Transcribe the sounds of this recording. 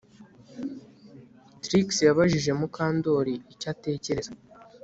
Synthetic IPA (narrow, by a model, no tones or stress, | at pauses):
tɾiksjaβaʒiʒe̞mukaːndo̞ːɾiicate̞ːce̞ɾe̞z